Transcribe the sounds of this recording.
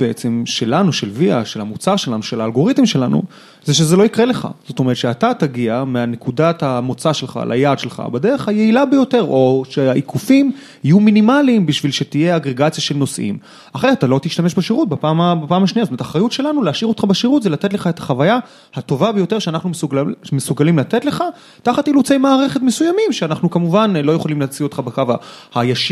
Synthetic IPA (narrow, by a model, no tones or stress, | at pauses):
b̥eet͡se̞mʃe̞lanuʃe̞lviaʃelamut͡saʁʃe̞lanuʃelaːlɡo̞ʁit̪imʃe̞lanṵ | zeʃ̬ezelo̞ikʁe̞le̞χa̰z̥o̞t̪oe̞etʃeat̪at̪aɡiameane̞kudathamo̞t͡saʃe̞lχa̰lʔa̰jadʃelχa̰bad̪eʁeχhajeilabejo̞teʁo̞ʃeaʔikʰufim | ijuminimalimbiʃvilʃet̪ije̞aɡʁeɡat͡sjaʃe̞lno̞sʔḭm | aχejat̪alo̞t̪iʃt̪ameʃbeʃiʁut̪̚bepaːmabepaːmhaʃniatomet̪aχʁajutʃe̞lanuleaʃiʁo̞t̪χabeʃiʁut̪zelat̪e̞t̪le̞χaet̪ḁχavaja | hat̪o̞vabe̞jo̞te̞ʁʃeanaχnumesumesuɡalimlat̪e̞tleχa | taχat̪ilut͡se̞jmaːʁeχet̪mesujamimʃeanaχnukamuvanlo̞jo̞χolimleat͡sio̞t̪χabekavahajaʃ